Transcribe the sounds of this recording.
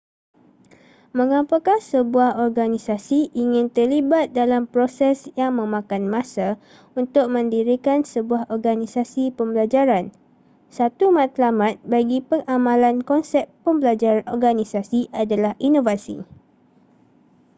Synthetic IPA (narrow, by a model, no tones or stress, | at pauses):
mə̃ŋãpakansəbuahɔrɡanĩsasiʔiŋɪ̃nt̪ərlibat̪̚dalampɾosɛsjaŋmə̃mãkanmãsa | unt̪ʊk̚mə̃ndiɾikansəbuahɔrɡanĩsasipəmbəlad͡ʒaɾan | sat̪umãt̪lamat̪̚baɡipəŋʔamãlankɔnsɛpː | əmbəlad͡ʒaʔɔrɡanĩsasiʔadalahʔinovasḭ